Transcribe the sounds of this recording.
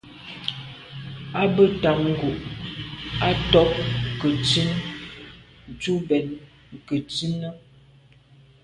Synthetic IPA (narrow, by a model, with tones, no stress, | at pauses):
a˦bə˦ta˨k̚ŋ̩˨ɡo˨ʔ | a˦tɔ˦p̚kə˨t͡si˦n˨ | tu˦bɛ˨n˨ | kə˨t͡si˦nə˦